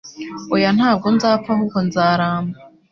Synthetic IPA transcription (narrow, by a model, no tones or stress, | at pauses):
ojan̥haːb̚ɡo̞nzaːpfahukonzaːɾaːmba